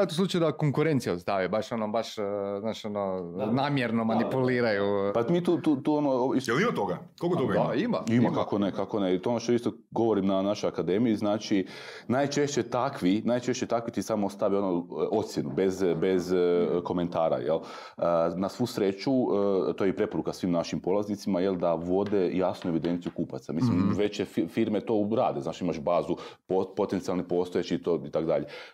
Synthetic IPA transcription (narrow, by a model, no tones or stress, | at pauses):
aet̪oslut͡ʃajud̪akoŋkuɾent̪sijaust̪aʋibaʃonobaʃznaːʃononaːmjeɾnomanipuliːɾajupamit̪uːt̪uːt̪uonoisjelimat̪oɡa | kokot̪oɡaaimaimakakonekakonet̪oonoʃt̪oist̪o | ɡo̞ʋoɾimnanaʃojakad̪e̞mijiznaːt͡ʃi | naːjt͡ʃe̞ʃt͡ɕet̪akʰʋinajt͡ʃe̞ʃt͡ɕet̪akʋit̪isamost̪aʋionoo̞t̪sjenubezbe̞zko̞ment̪aːɾa̰jel | ənasʋusɾe̞t͡ʃut̪ojeipɾe̞po̞ɾukasʋiːmnaʃimpo̞lˠaznit̪simaje̞ld̪aʋo̞d̪e̞jaːsnueʋid̪e̞nt̪sijukuːpat̪samisimʋe̞t͡ʃeffiɾmet̪o̞ɾaːd̪eznaːt͡ʃiimaʃbaːzupopo̞t̪ent̪sialnipo̞st̪ojet͡ʃiit̪oit̪akod̪aʎe